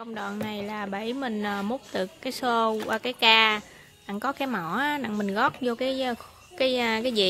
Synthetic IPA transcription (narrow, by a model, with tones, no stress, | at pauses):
kə˧wŋ͡mɗɔa̰˨nnːa˨˩jlaː˨˩ɓə˧˩jmï˨˩ŋ̟ʔːmo˦˥k͡p̚t̪ɨ˨˩kːaː˨˦jso˧a˨˧˩kaː˨˦jkaː˧ | na̰˧˨ŋkɔ˨˦kaː˨˦jmɔ˧˩˨na̰˧˨ŋmi˨˩ŋ̟ɣɔ˦˥t̚zo˧kaː˨˦j | kaː˨˦jkaː˨˦jzḭ˨˩